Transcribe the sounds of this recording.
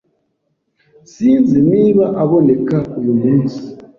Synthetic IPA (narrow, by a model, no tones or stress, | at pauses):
sinzimiβaʔaβɔnekakujumusi̥